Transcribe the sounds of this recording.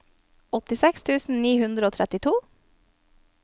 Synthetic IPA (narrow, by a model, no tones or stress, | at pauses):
ɔt̪ɪsɛkst̪ʰʉːsn̩niːhʉnd̪ɾəoːt̪ʰɾɛt̪ɪt̪ʰuː